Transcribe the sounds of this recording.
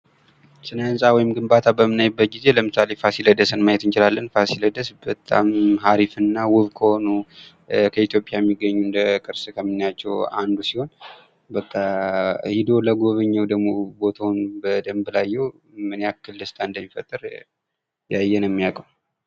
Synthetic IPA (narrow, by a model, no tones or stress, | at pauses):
sɨnansʼawɔjɪmɡɨmbat̪ʰabəmɨnajbːət̪̚ɡize̞ləmɨsale̞fasiləd̪əsɨnmajɛt̪ɨnt͡ʃɪlalːənfasiləd̪əsbət̪ʼːa̰mɦaɾifɨnːawʊβkʰəho̞nu | kʰəit̪ʰjo̞pʼjajɛmːiɡːəɲːund̪əkʼɨɾsɨkʰəmːinːat͡ʃːɛwa̰nd̪usiho̞n | bət̪ʼːahid̪o̞ləɡo̞βəɲːəwd̪əɡmo̞bo̞t̪ʰawnbəd̪əmbɨlajːɛw | mɨneakːɨlːɨst̪ʼʰaɨnd̪əmːifət̪ʼːɨɾ | jajːɛnɛmːijakʼəw